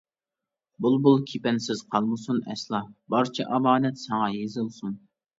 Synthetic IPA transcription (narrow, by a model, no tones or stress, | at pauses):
bulˠbulˠkʲʰepɛnsɪz̥qʰɑlˠmɨsunɛslˠɑbɑɾt͡ʃʰɛʔɑbɑːnɛt̪sɑŋɑjezɨlˠsun